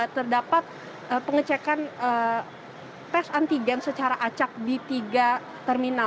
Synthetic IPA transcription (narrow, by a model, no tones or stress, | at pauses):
t̪ərdapat̪̚ | əpəŋət͡ʃɛkanə | p̪ɛsant̪iɡɛnsət͡ʃaɾaʔat͡ʃak̚dit̪iɡa | t̪ɛrmina